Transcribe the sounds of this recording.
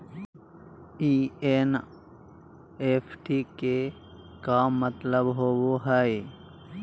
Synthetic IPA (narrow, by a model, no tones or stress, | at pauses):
iːeːn | eːpʰʈike | kaːmmːət̪ləbɦowoɦəe